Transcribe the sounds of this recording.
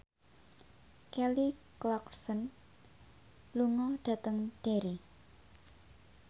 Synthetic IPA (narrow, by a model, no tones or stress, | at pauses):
kɛliklɔksən | luŋɔɖ̥a̤t̪əŋɖ̥eɾi